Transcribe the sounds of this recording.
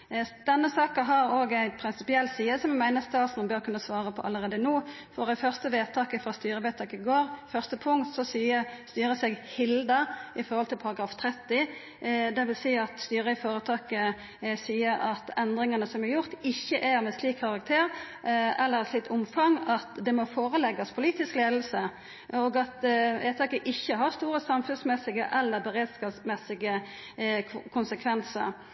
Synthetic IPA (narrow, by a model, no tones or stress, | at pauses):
d̪̥ɛnːəsɑːkɑɦɑɾoːɡæɪpʰɾɪnsɪpɪɛlt̪siːəsɔmjɛmæɪnəst̪ʰɑːsnbøːɾkʰʉnːəsʋɑːɾəpʰɔʔɑ̰lːəʁeːd̪ənuː | fɔɾæfœʁst̪əʋeːt̪ʰɑːkəfʁɑst̪yːɾəʋeːt̪ʰɑːkɪɡoːɾfœʁst̪əpʰʊŋt̪sɔsiːəst̪yːɾəsɛɡhɪld̪ɑɪfɔɾhɔlt̪ʰɪlpʰɑɾɑɡɾɑːft̪ʰɾɛt̪ːɪ | d̪ɛʋɪlsiːɑt̪st̪yːɾəɪfoːɾət̪ʰɑːkə | siːəɾɑt̪ɛnd̪ʁɪŋɑnəsɔmæɾjʊʁt̪ɪçːəʔæɾmɛsliːkʰːɑʁɑk̚t̪ʰeːɾ | ɛlːəɾsliːk̪ʊmfɑŋɑt̪d̪ɛmɔfoːʁəlɛɡɑspʰʊliːt̪ɪskleːd̪lsə | ɔɡɑt̪eːt̪ʰɑkəʔɪçːəɦɑɾst̪uːɾəsɑmfʉnsmɛsːɪɡə̰ʔɛlːəɾbɛʁeːd̪skɑːsmɛsɪɡə | kʰʊnsəkʰʋɛnsə̰ɾ